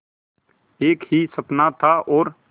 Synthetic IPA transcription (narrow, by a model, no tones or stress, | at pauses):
eːkɦisəpnat̪ʰaʔɔːɾ